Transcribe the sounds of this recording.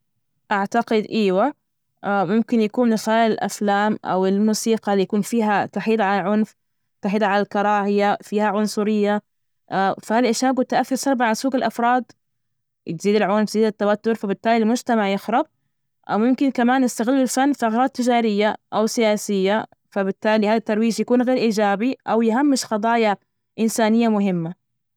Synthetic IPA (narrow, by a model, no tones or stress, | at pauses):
ʔaʕt̪aqɪd̪ʔiːwa | ʔamʊmkɪnjakuːmlɪxaːjɪlʔa̰flaːmʔa̰wɪlmuːsiːqɑlijakuːnfiːɦat̪aħiːd̪ʕalalʕʊnf | t̪aħiːd̪ʕalalkɑɾˤɑːhɪjafiːhaʕʊnsˤʊɾɪjːa | fahalʔɪʃaːɡut̪ːaʔaθːɪɾsˤɑɾˤbaʕasuːɡɪlʔafɾˤɑːd̪ | t̪ziːd̪ɪlʕʊnft̪ziːd̪ɪt̪ːawat̪ːʊɾfabɪt̪ːaːlilmʊd͡ʒt̪amaʕjɪxɾˤɑb̚ | ʔa̰wjʊmkɪnkamaːnjɪst̪aɣɪlːɪlfanːfiʔaɣɾˤɑːd̪̚t̪ːɪd͡ʒaːɾɪjːaʔawsɪjaːsɪjːa | fabɪt̪ːaːlihaːðat̪ːɑɾˤwiːʃjakuːnɣeːɾʔiːd͡ʒaːbiʔawjɦamːɪʃxɑd̪ˤɑːja | ʔɪnsaːnɪjːamʊɦɪmːa